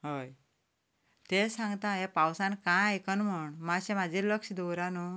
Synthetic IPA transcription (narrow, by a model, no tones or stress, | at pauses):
ɦoj | t̪esãŋɡt̪ãɦepawsãnkãekənm̤əɳmaɕẽmad͡ʑʱeləkɕd̪oɾanu